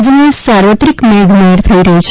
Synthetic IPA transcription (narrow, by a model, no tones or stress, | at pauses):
d͡zənesaɾʋət̪ɾikmeɡ̪ʱmeɾt̪ʰəiɾɐɦit͡ʃʰ